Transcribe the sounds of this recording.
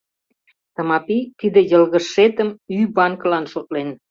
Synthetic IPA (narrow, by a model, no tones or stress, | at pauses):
t̪ɑmɑpikid̪ə̆jə̆lɣə̆ʃet̪əmyβɑnkəlɑnʃot̪̚len